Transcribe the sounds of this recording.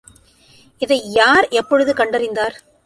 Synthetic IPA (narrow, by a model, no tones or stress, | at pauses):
ɪðɐɪjaːɾɛpːɔɻɯðɯkɐɳɖɐɾɪnd̪aːɾ